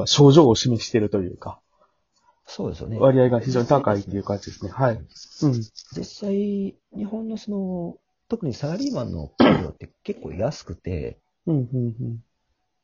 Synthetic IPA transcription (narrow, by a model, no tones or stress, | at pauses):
aɕo̞ːʑo̞ːɕimeɕi̥t̪e̞ɾɯ̟t̪o̞jɯ̟̰ːka | so̞ːd̪e̞sɨjo̰neβaɾʲiaiɡaçiʑo̞ːɲ̟it̪akait̪ːe̞iɯ̟kat̪at͡ɕid̪e̞sɨne̞haiɯ̟̃ɴzisːai | ɲ̟iɦõ̞nːo̞sono̞ | t̪o̞kɯ̟ɲ̟isaɾaɾʲiːmãnːo̞̰kːɾʲo̰ːt̪ːe̞ke̞kːo̞̰ːḭjasɨ̥kɯ̟t̪ḛ | ɯ̟̃ɴhɯ̟̃ːɴhɯ̟̃ːɴ